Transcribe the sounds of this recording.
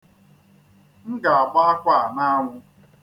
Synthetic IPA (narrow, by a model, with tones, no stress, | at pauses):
ŋ̩˦ɡa˨a˨ɡ͡ba˦a˦kʷa˦˨na˦a˦ŋʷʊ˦